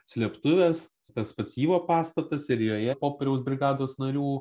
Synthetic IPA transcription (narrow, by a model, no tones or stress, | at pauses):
sʲlʲɛpt̪ʊʋʲɛːs | t̪ɐspɐsʲiːʋoːpɑːst̪ɐt̪ɐsɪɾjoːjɛpoːpʲɛɾʲɛʊsbʲɾʲɪɡɑːd̪oːsnɐɾʲuː